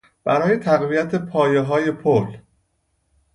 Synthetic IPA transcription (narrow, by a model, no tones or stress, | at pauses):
b̥æɾɒːje̞t̪ʰæɣvijæt̪ʰe̞pʰɒːjeɦɒːje̞pʰol